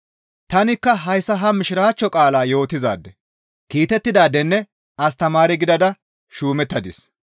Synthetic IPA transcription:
t̪ɐnɪkːɐɦɐjsːɐɦɐmɪʃɪɾaːt͡ʃːɔkʼaːlaːjo̞ːt̪ːɪza̰ːd̪ːɛ | kiːt̪ɛt̪ːɪd̪aːd̪ːɛnːɛ | ɐs̬t̪ɐmaːɾɪɡɪd̪ɐd̪ɐ | ʃuːmɛt̪ːɐd̪ɪs

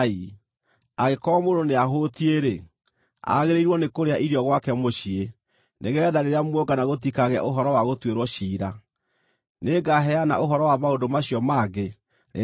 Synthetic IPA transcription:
i | aɣekɔmondoneaɦotieɾe | a̰ɣeɾeiɾwɔnekoɾeaʔiɾjɔɣwakɛmoɕie | nʔeɣɛðaɾeɾeamwɔɡanaɣot̬ikaɣɛa̰ʔoɦɔɾɔwaɣotweɾwɔɕiːɾa | neɡaɦɛana̰ʔoɦɔɾɔwamaodomaɕiɔmaːɡe | nḛ

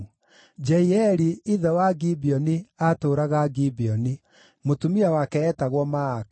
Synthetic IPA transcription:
d͡ʒɛiɛɾiiðɛwaɡibiɔniatoːɾaɣaɡibiɔni | motumiawakɛɛtaɣwɔma

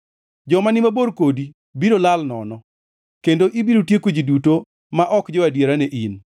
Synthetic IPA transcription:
d͡ʒɔmanɪmaboɾkodi | biɾolalnɔ̰nɔ | kendoʔibiɾotjekwed͡ʒiduto | maʔɔkd͡ʒɔwadjeɾaneʔin

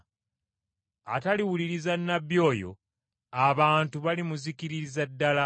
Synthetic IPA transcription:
ataliwuliɾizanːabjo̞ːjo̞̰ | aβaːntuβalimuzikiɾizadːala

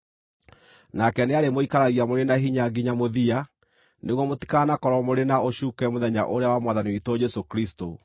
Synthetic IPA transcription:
nakɛneaɾemoikaɾaɣiamoɾenaɦiɲaɡiɲamoðia | neɣwɔmoti̥kanakɔɾɔmoɾenaoɕuːkɛmoðɛɲa̰ʔoɾeawamwaðaniwitɔd͡ʑɛsokɾisto

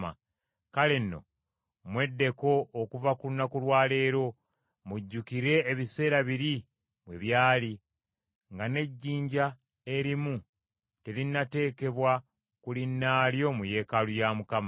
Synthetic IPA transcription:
a̰ | kale̞nːo̞̰ | mwe̞dːe̞ko̞ʔːkuvakulunakulwaːle̞ːɾo̞ | muɟːukiɾe̞ːβise̞ːɾaβiɾi | βwe̞̰βjaːli | ŋɡane̞ɟːiːɲɟa | e̞ɾimu | te̞linːate̞ːke̞βwa | kulinːaːljo̞muje̞ːkalujamukam

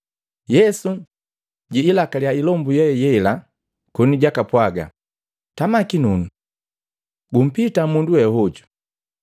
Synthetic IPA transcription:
jɛsu | ɟiːlakaljailɔmbujɛjɛila | kɔniɟakapwaɡa̰ | tamakinunu | ɡum̩pitamunduwɛhɔɟu̥

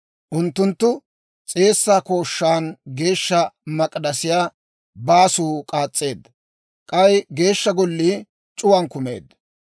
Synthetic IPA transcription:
ʔʊnt̪ːʊnt̪ːʊ | t͡sʼe̞ːsːaːko̞ːʃːaːnɡe̞ːʃːɐmɐkʼd̪ɐsɪjaː | baːsuːkʼaːt͡sʼːe̞ːd̪ːɐ | kʼɐjɡe̞ːʃːɐɡɔlːiː | t͡ʃʼʊwɐnkʊme̞̰ːd̪ːɐ̥

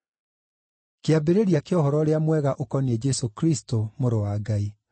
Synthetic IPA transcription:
keabeɾeɾiakeɔhɔɾɔɾeamwɛɣaʔokɔned͡ʒɛsokɾistomoɾowaːɡai

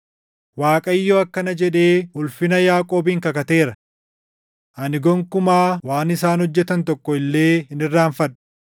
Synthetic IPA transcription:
waːkʼɐɪjːɔɐkːɐnɐd͡ʒɛᶑe̞ːʊlfɪnɐjaːkʼo̞ːbɪŋkɐkɐt̪e̞ːɾɐ | ʔɐnɪɡɔŋkʊmaːwaːnɪsaːnhɔd͡ʒːɛt̪ɐnt̪ɔkːɔɪlːe̞ːhɪnɪrːaːnfɐᶑʊ̥

